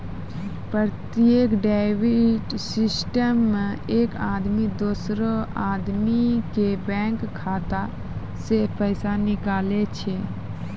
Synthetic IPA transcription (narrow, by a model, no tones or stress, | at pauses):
pɾəɾt̪ijekɖaɪʋiʈsɪsʈəmːeeːkaːd̪mid̪oːsɾoaːd̪mikebɛ̃ːŋkkʰːaːt̪a | sepəɪsanɪkaːlet͡ʃʰe